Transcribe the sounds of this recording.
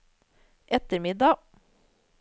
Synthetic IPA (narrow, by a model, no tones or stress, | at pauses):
ʔɛt̪əmɪd̪ɑ